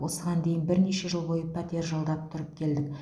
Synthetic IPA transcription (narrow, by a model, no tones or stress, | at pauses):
wo̞səʁɑnd̪e̞jɪnbɪɾne̞ʃe̞ʒəlˠbo̞jəpʰat̪ʲeɾʒɑlˠd̪ɑp̚t̪ʰʊɾəp̚kʲʰe̞ld̪ɪk̚